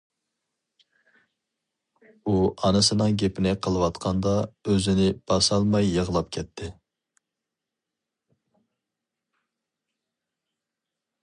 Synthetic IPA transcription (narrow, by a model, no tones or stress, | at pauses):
uɑnɨsɨnɨŋɡʲepɪnɪqʰəlˠɨwɑt̪qʰɑnd̪ɑøzɪnɪb̥ɑsɑlˠmɑjːəʁlˠɑp̚kʲʰɛt̪ʰːɪ